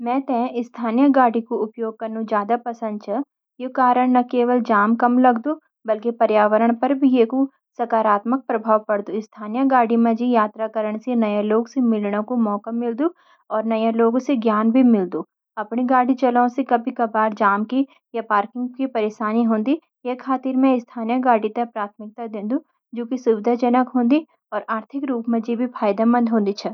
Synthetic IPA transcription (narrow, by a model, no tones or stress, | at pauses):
mɛ̃ːt̪ɛ̃ːɪst̪ʰaːnijəɡaːɽikoʊpjoːɡ̚kɐɾnũd͡ʒjaːd̪apɐsə̃nd̪̚t͡ʃʰɐ | jekaːɾəɽ̃nɐkeːʋəld͡ʒaːmkɐmlɐɡd̪oː | bɐlkepɐɾjaːʋəɾəɽ̃pɐɾbʱijeːku | sɐkaːɾaːt̪mək̚pɾɐbʱaːʋpɐɽd̪ũɪst̪ʰaːnijəɡaːɽimẽd͡ʒijaːt̪ɾakəɾəɽ̃senɐjãloːɡsemɪlɽõkomɔːkamːɪld̪ũ | ɔːɾnɐjãloːɡõseɡjaːnbʱimɪld̪u | ɐpniɡaːɽit͡ʃɐlaõsekɐbʱikɐbaːɾd͡ʒaːmki | japaːɾkɪ̃ŋɡkipɐɾeːʃaːniɦõːnd̪i | jekʰːaːt̪iːɾmẽɪst̪ʰaːnijəɡaːɽit̪ɐpɾaːt̪ʰmɪk̚t̪ad̪ẽːnd̪u | d͡ʒoːkisʊʋɪd̪ʱad͡ʒɐnəkɦõːnd̪i | ɔːɾaːɾt̪ʰɪkɾuːpmẽd͡ʒibʱifʰaːjd̪amɐ̃nd̪ʱɦõːnd̪it͡ʃʰɛ